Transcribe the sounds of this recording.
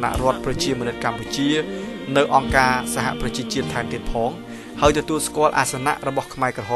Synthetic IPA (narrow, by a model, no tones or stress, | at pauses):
na̰ʔrŏət̪̚prɑt͡ɕiəmɔənɨt̪̚kamput͡ɕiənɨwʔɑŋkaːsaɦa̰prɑt͡ɕiət͡ɕiət̪ʰːaɛmt̪iət̪̚pʰɑːŋ | haəjt̪ɔt̪uəlskŏəlʔa̰ːsana̰ʔrɔɓɑhkʰmaɛkrɔɦoː